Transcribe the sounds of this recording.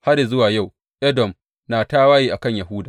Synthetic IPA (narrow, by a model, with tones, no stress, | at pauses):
ha˦ɾi˨zʊ˦waː˨ja˦˨w | ʔɛ˦dɔ˨m | naː˨taː˦waː˦jiː˦ʔa˨kɐ˦˨ɲja˨ɦʊ˦daː˨